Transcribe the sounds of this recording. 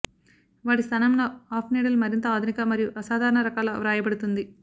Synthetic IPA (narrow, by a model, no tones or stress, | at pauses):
ʋaːɽist̪ʰɐnɐmnɐaːpʰniːɽɐlmɐɾint̪ɐaːd̪ʱunikɐmɐɾijuʔɐsaːd̪ʱaːɾɐɳɐɾɐkaːlɐʋɾaːjɐbɐɽut̪und̪i